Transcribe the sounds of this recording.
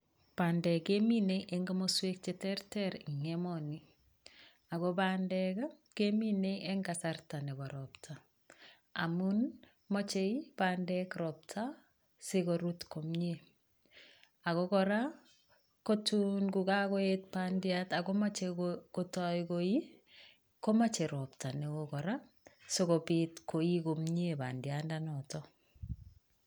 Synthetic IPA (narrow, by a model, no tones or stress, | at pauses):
pandɛkemineʔeŋɡamoswek̚t͡ʃetɛrtɛɾiŋemɔni | akobandɛka | kemineʔeŋɡasartanebɔɾɔptʰa | a̰mun | mot͡ʃeipandɛkɾɔp̚tʰa | sekoɾutkomɲe | akɔkɔɾa | kotunɡukakɔet̚pandjatakɔmat͡ʃekotɔjkoi | kɔmat͡ʃeɾɔptanewokɔɾa | sokopitkoikomɲeba̰ndjandanɔtɔ